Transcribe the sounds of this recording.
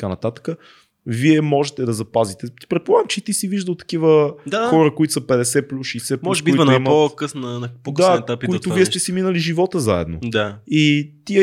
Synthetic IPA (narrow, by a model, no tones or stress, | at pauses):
t̪ɐ̥kanɐt̪at̪ə̥kə | viɛmɔʒɛt̪ɛd̪ɐzɐpazit̪ɛt̪i̥pɾɛt̪̚polˠaɡəmt͡ʃɛt̪isiviʒd̪əlˠt̪ɐ̥kivəd̪axɔɾəkoit̪ʊ̥səpɛd̪ɛsɛplʲusʃɛjsɛpmɔuʒbiuinʊiməokəsnənpokd̪at̪akpikoit̪ʊvviɛst̪ɛsiminəliʒivɔt̪əzaɛ̰d̪no̰d̪ait̪iɛ